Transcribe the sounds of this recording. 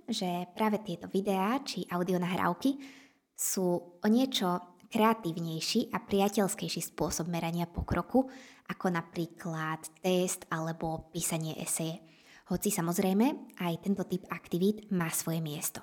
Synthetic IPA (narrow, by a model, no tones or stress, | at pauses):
ʒɛpɾaːʋɛt̪ɪɛt̪ɔʋid̪ɛat͡ʃiʔaʊd̪iɔnaɦɾa̰ʊki | suːʔɔɲɪɛt͡ʃɔkɾɛat̪iːʊɲɛjʃiʔapɾiacɛʎskɛjʃispʊɔsɔb̚mɛɾaɲɪapɔkɾɔkuʔakɔnapɾiːkʰlat̪ːɛst̪alɛbɔpiːsaɲɪɛ̰ʔɛ̰sɛjɛ | hɔt͡sisamɔzɾɛjmɛʔajt̪ɛnt̪ɔt̪ipakt̪iʋid̪maːsʋɔjɛmɪɛst̪ɔ̥